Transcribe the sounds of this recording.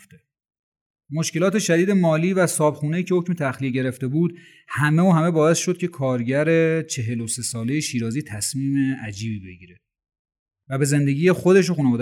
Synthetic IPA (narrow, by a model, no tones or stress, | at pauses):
ft̪e | moʃke̞lɒːt̪ʰe̞ʃæd̪iːd̪e̞mɒːliːvæsɒːbxuːne̞jiːcʰeocmet̪ʰæxlijeɟe̞ɾe̞ft̪e̞buːd̪ | hæme̞oːhæme̞bɒːe̞sʃod̪̚cʰe̞kʰɒːɾɟæɾe̞t͡ʃʰe̞ɦe̞lose̞sɒːle̞jeʃiːɾɒːziːt̪ʰæsmiːmeæd͡ʒiːbiːbe̞ɟiːɾe | væbe̞ze̞nd̪e̞ɟiːjexod̪e̞ʃ̬oxuːneɒːd̪